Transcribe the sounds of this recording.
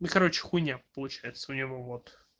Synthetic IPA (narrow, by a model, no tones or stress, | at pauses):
ikɐɾo̞t͡ɕɪ̥xʊnʲapəlˠʊt͡ɕæjɪt̪səʊnʲɪvo̞vot̪